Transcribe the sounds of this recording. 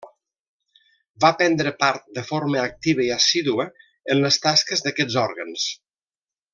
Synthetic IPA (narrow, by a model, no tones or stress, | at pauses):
bapɛnd̪ɾəpaɾt̪̚d̪əfoɾməːk̚t̪iβ̞əiasiðuə | ənləst̪askəzðəkɛd͡zɔɾɣəns